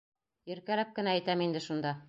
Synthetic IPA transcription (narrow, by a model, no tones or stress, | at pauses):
jɘ̆ɾkælæp̚kɘ̆næːjt̪æmind̪ɘʃund̪ɑ